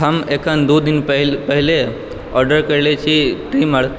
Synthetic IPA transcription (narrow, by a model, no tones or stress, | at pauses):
ɦəmekʰənd̪ud̪inpɦpəɦɪle | ɔːɾɖəɾkəɾlet͡ʃʰiʈiməɽ